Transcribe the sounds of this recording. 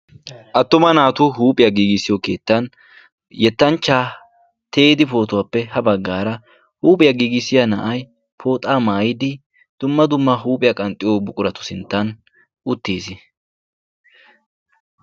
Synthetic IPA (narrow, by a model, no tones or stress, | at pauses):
ʔɐt̪ːʊmɐnaːt̪ʊhuːpʼɪjɐɡiːɡɪsːɪjoke̞ːt̪ːɐn | jɛt̪ːɐnt͡ʃːaː | t̪ʰeːd̪ɪpo̞ːt̪ʊwaːpːɛhɐbɐɡːaːɾɐ | huːpʼɪjɐɡiːɡɪsːɪjanɐʔɐj | pʰo̞ːt̪ʼaːmaːjɪd̪ɪ | d̪̥ʊmːɐd̪ʊmːɐɦuːpʼɪjɐkʼɐnt̪ʼːɪjo̞ːbʊkʼʊɾɐt̪ʊ̥sɪnt̪ːɐn | ʊt̪ːiːsɪ